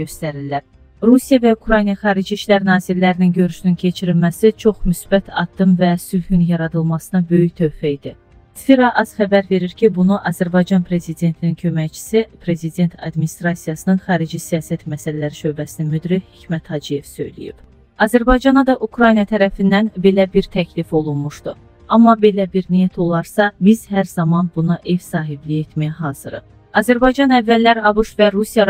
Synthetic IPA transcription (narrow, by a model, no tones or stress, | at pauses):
øst̪æɾilːæɾ | ɾusijɑvæukɾɑjnijɑχɑːɾid͡ʒiiʃlæɾnɑːziɾlæɾininɟø̞ɾyʃynyncʰe̞t͡ʃʰiɾilmæsit͡ʃʰo̞χmysbæt̪ʰɑ̰d̪ːɯmvæsylhynjɑɾɑd̪ɯlˠmɑsɯnɑbø̞jyçt̪ʰøjfæid̪i | t̪fiɾɑʔɑzχæbæɾve̞ɾiɾcʰibunuʔɑzæɾbɑjd͡ʒɑnpʰɾe̞zid̪e̞nt̪ʰinincʰø̞mæjt͡ʃʰi̥sipʰɾe̞zid̪e̞nt̪ʰɑ̰d̪minist̪ɾɑsijɑsɯnɯnχɑːɾid͡ʒisijɑːsæt̪mæsælælæɾiʃø̞bæsininmyd̪ɾihicmæt̪hɑd͡ʒije̞v̥sø̞̰jlḭjḭb̥ | ɑzæɾbɑjd͡ʒɑnɑd̪ɑʔukɾɑjnijɑt̪ʰæɾæfind̪ænbe̞læbiɾt̪ʰæcʰlifo̞lˠunmuʃd̪u | ɑmːɑbe̞læbiɾnijæt̪ʰo̞lˠɑɾsɑbizhæɾzɑmɑnbunɑʔe̞vsɑːɦiblijet̪mæjɦɑːz̥ɯɾɯ̰ | ɑzæɾbɑjd͡ʒɑnævːælːæɾɑbuʃvæɾusijɑ